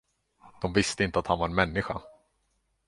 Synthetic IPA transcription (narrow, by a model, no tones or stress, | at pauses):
d̪̥ɔmvɪst̪əɪnt̪əat̪hanvaɾɛnmɛnːɪɧa̰